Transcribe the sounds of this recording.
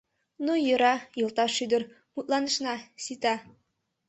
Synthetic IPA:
nujɤ̆ɾɑjɤ̆lˠt̪ɑʃːyd̪ɘ̆ɾ | mut̪lˠɑnɤ̆ʃnɑsit̪ɑ

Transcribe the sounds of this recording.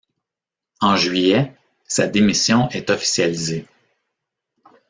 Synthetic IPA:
ɑ̃ʒɥijɛ | sad̪emisjɔ̃ʔɛt̪ɔfi̥sjalize

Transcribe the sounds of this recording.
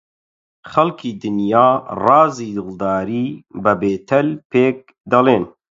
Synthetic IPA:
xɐlkʰiːd̪ɨnjɑːrɑːziːd̪ɨld̪ɑːɾiːbəbeːt̪ʰɛlpeːk̚ | d̪ɐleːn

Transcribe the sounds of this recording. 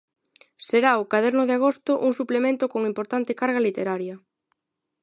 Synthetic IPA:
seɾaʊkaðɛɾnʊðeaɣ̞ost̪ʊʔuŋsuplemẽnt̪ʊkoŋimpoɾt̪ant̪ɪkaɾɣɐalit̪eɾaɾjɐ

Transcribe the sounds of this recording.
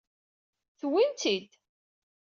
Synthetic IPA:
θwint̪id̪

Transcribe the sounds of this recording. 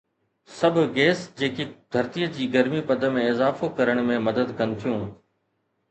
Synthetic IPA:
sɐbʱɡeːsd͡ʑeːked̪ʱɐɾt̪iəd͡ʑiːɡɐɾmipɐd̪əmẽɪzaːfokɐɾəɽ̃mẽmɐd̪əd̪kɐnɪ̆t̪ʰijũː

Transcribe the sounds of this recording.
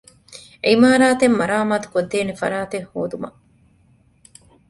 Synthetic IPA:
ʔimaːɾaːt̪emːɐɾaːmaːt̪u̥kod̪ːeːnefɐ̰ɾaːt̪ehhoːd̪umɐ̰

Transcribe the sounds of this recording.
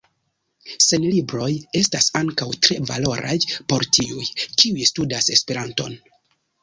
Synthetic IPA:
se̞nlibɾo̞je̞stasaŋkawtɾe̞va̰lo̞ɾʔa̰jpo̞ɾtiujkiujstudase̞spe̞ɾanto̞̰n

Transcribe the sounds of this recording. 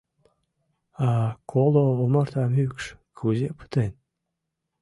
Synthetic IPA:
akʰolooməɾt̪ʰɑmykʃkʰuzepɨ̥t̪en

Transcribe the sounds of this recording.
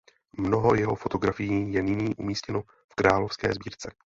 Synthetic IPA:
mno̞ɦo̞jɛɦo̞fo̞t̪o̞ɡɾafɪjiːjɛnɪɲiːʔumiːscɛno | fkɾaːlo̞fskɛ̰ːzbiːɾt͡sɛ

